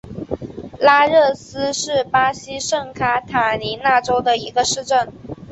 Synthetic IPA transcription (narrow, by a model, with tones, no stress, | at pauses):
la˥ɻɤ˥˩sɹ̩˥ʂɻ̩˥˩pa˥ɕi˥ʂɤ˥˩ŋkʰa˥t̪ʰa˨˩ni˧˥na˥˩ʈ͡ʂo˥ʊd̪ə˨i˧˥ɡə˧ʂɻ̩˥˧ʈ͡ʂə˥˩n